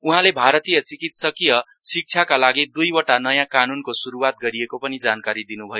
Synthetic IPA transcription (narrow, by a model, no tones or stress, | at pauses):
uɦãlebʱaɾʌt̪ijʌt͡sikit̪sʌkijʌ | sik̚t͡sʰakalaɡid̪ujwʌʈanʌjãkanunkosuɾuwat̪̚ɡʌɾijekopʌnid͡zankaɾid̪inubʱʌjo